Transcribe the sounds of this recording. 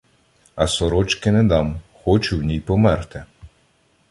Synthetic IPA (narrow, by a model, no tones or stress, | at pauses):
ɐsɔɾɔt͡ʃkɪnɛd̪ɑmxɔt͡ʃuwnʲijpɔmɛrt̪ɪ